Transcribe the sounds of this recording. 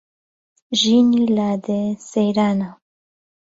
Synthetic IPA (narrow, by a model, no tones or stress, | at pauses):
ʒinilad̪esejɾana